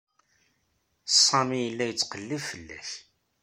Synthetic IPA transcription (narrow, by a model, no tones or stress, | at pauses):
sˤːɑmijəlːæjət͡sːqəlːəvfəlːæ̰ç